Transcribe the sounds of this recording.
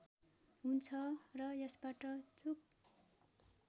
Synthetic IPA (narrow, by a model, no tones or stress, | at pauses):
ɦunt͡sʰʌrʌjʌsbaʈʌt͡suk̚